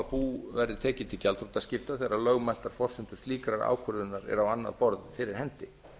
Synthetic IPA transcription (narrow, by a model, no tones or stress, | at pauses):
puːvɛɾðɪt̪ʰɛːcɪt̪ʰɪlcalt̪ʰɾut̪ascɪft̪aθɛɾalœɣmal̥t̪aɾ̥fɔr̥sʏmt̪ʏ̥st̪liːkɾaɾa̰ːwkʰœɾðʏnːaɾɛ̰ɾawanːa̰ðpɔɾðɪfɪːɾɪɾ̥hɛnt̪ɪ